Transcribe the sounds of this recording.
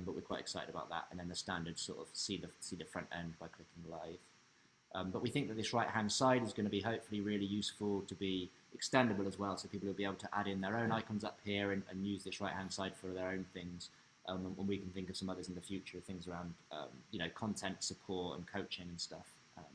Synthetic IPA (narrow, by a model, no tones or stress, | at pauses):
bʌʔwɪɹkʰw̥aɪtɪksaɪtɪ̰ɾəbaʊʔ̪̚ðə̰tə̰̃nðə̃nðəstæ̃ndədz̥sɔ̰ˑtə̰v̥siðəsiðəfɹʌ̃ntɛ̰̃ndbaɪkʰl̥ɪkɪ̃ŋlaɪv̥ | ʔʌ̃mbʌʔwiθɪ̃ŋk̚ðət̪̚ðɪsɹaɪʔ̚hæ̃nd̥saɪɾɪzɡʌnəbiɦəʊpfəlˠiɹɪlijʉˑsfəlˠtʰəbi | ɪkstɛ̃ndəbəlˠəzwɛlˠsoʊpiˑpl̩ˠəlˠbieɪblˠtʰəʔaɾɪ̃nðə˞ə̃ʊ̃ñaɪkʰə̃nzʌphiəɹə̃nə̰̃njʉːzðɪsɹaɪʔ̚hæ̃nd̥saɪd̥fə˞ðə˞ə̃ʊ̃nθɪ̃ŋz̥ | ʔʌ̃mwə̃nwikʰnθɪ̃ŋkʌv̥sʌ̃mʌðəzɪ̃nðəfjʉˑt͡ʃəɹʌv̥θɪ̃ŋzəɹãʊ̃nd̥ʔʌ̰̃mjɨnoʊkʰɒ̃ntʰɛ̃ntsəpʰɔˑtə̰̃nkʰəʊt͡ʃɪ̃ŋə̃nstʌf | ʔʌ̃m